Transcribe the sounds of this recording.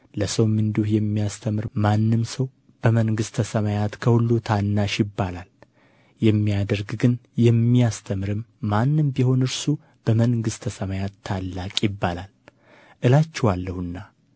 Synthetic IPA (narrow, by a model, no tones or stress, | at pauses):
ləsəwmɨnd̪uhjɛmːijast̪ʰəmɨɾmanːɨmsəw | b̥əməŋɡɨst̪ʰəsəmajat̪kʰəhulːut̪ʰanːaʃjɪbːalal | jɛmːijad̪əɾɡɡɨnjɛmːijast̪ʰəmɾɨmːanːɨmbiho̞nɨɾsu | b̥əmənɡɨst̪ʰəsəmajat̪ʰːalːakʼjɪbːalal | ʔɨlat͡ʃːɛwalːəhɨnːa